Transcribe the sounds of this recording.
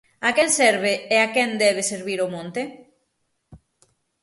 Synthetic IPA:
akɛnsɛɾβeeakɛnd̪ɛβ̞eseɾβiɾomõnt̪e

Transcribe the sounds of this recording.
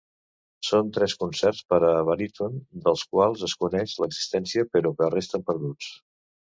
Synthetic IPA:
sont̪ɾɛskunsɛrspəɾəːβəɾit̪ond̪əlˠskwalˠzəskunɛʃləɡz̥i̥st̪ɛnsiəpəɾɔkərest̪əmpəɾðut͡s

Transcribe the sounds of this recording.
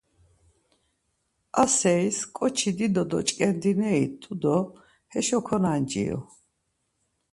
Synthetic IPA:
asɛiskʼɔt͡ʃʰid̪id̪ɔd̪ɔ̰t͡ʃʼkʼɛnd̪inɛit̪ʼud̪ɔ | hɛʃɔkʰɔnand͡ʒḭɔ̰

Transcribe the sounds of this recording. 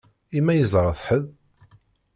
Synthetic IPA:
imːæjəzˤɾˤəθħəð

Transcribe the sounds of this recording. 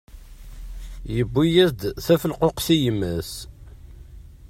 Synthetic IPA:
jəbːijæzd̪θæfəlqoqθijəmːəs

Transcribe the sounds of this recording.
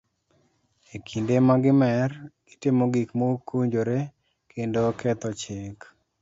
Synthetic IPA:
ekʰindemaɡɪmɛrɡ̥ɪtɪmoɡikmokuɲd͡ʒoɾe | kʰendokɛt̪ɔt͡ʃɪk

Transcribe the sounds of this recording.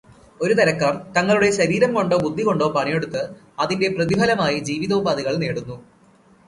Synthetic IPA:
o̞ɾut̪ɐɾɐkːaːrt̪ɐŋːɐɭuɽe̞ɕɐɾiːɾɐmko̞ɳɖoːbud̪ʱːiko̞ɳɖo̞ːpɐɳije̞ɽut̪ːɨ | ɐðinde̞prɐðibʱɐlɐmaːjid͡ʑiːʋiðɐubaːðiɣɐɭne̞ːɽunːu

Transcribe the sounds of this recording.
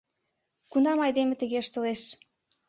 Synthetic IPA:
kunɑmɑjd̪emĕt̪ə̆ɣeəʃt̪ə̆leʃ

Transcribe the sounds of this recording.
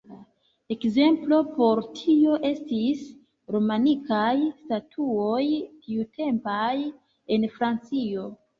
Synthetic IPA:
e̞kze̞mplo̞po̞ɾtʰio̞ʔe̞stis | ɾo̞manikajstatʰuo̞jtʰiutʰe̞mpaj | e̞nfɾant͡sio̞

